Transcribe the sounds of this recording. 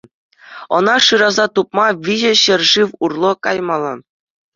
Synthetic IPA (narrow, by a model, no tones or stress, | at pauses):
ɤ̆nɑʂɯɾɑzɑt̪up̚mɑʋʲiʑɘ̆ɕɘ̆rʲʐɯʋurlˠokɑjmɑlˠɤ̰n